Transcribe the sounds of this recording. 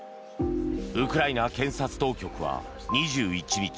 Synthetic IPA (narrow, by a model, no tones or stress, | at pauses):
ɯ̟kɯ̟ɾainakẽ̞ɰ̃sat͡sɨ̥t̪o̞ːkʲo̞kɯ̟βa̰ | ɲ̟iʑɨːit͡ɕibʲikʲ